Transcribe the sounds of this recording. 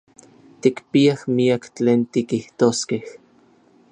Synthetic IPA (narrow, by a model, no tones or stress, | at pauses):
t̪ikpiahmiakt͡ɬeːnt̪ikiht̪oskeh